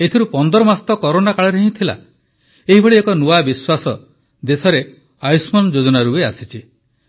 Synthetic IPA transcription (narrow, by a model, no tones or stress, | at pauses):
et̪ʰiɾupɔnd̪ɔɾɔmast̪ɔkɔɾonakaɭɔɾeɦĩt̪ʰila̰ | eɦibʱɔɭiekɔnuabiswasɔ | d̪esɔɾe | ajsmɔnd͡ʒod͡ʒɔnaɾueasit͡ʃʰi